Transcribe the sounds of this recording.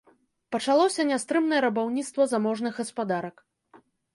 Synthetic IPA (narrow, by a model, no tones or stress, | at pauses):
pɐt͡ʂalˠɔsʲɐnʲast̪ɾɨmnɐjɛɾɐbawnʲit̪st̪vɐzamɔʐnɨɣɣɐspad̪aɾɐk